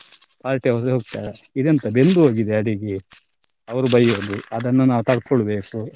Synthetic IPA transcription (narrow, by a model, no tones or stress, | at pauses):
paːɾʈeɦɔseɦoːɡ̚t̪aːɾeid̪ent̪ɐbe̞nd̪uɦoːɡid̪eɐɽiɡe | ɐʋɐɾubɐjoːd̪uɐd̪ɐnːunaːʋut̪ɐɽkɔɭbe̞ːku